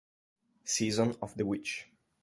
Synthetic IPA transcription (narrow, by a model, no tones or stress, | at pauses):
sizɔ̃nɔvd̪əwɪt͡ʃ